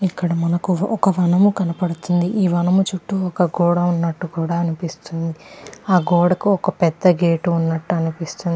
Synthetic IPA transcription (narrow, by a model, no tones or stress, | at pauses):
ikːɐɽɐmɐnɐkuʔɔkɐʋɐnɐmukɐnɐpɐɽut̪und̪iʔiːʋɐnɐmut͡ʃuʈːuɔkɐɡɔːɽɐunːɐʈːukuːɽaːɐnipist̪und̪iaːɡɔːɽɐkuɔkɐpɛd̪ːɐɡeːʈuːnːɐʈːuɐnipist̪und̪i